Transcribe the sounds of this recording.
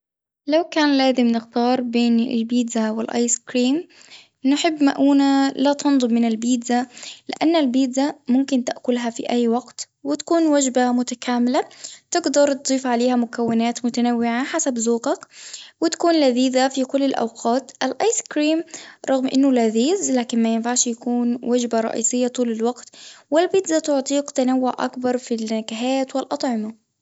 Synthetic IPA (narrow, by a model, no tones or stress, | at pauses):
lawkaːnlaːzɪmnɪxt̪ɑːɾˤbeːnɪ̰lbiːd̪zawɪlʔɑ̰ːjskɾiːm | nɪħɪbːmaʔuːnalat̪ɑnd̪ˤɨbmɪnɪlbiːd̪alɪ̰ʔanːalbiːd̪zamʊmkɪnt̪aʔkʊlɦafḭʔajːwaɡt̪ | wɪt̪ḁkuːnwad͡ʒbamʊt̪akaːmɪlat̪ɪɡd̪ɑɾˤt̪d̪ˤiːfʕaleːhamʊkawːɪnaːt̪mʊt̪anawːɪʕaħasabzuːqɑkwɪt̪ḁkuːnlaðiːðafikʊlːɪlʔa̰wqʰɑːt̪ʔalʔajskɾiːmɾˤɑɣmʔɪnːʊlaðiːzlaːkɪnmajɪnfaʕʃjakuːnwad͡ʒbaɾˤɑ̰ʔḭːsɪjːat̪ˤuːlalwɑqt̪wɪlbiːd̪zat̪ʊʕt̪ˤiːqt̪anawːʊʕʔa̰kbɑɾˤfilːakaɦaːt̪wɪlʔɑt̪ˤʕɪma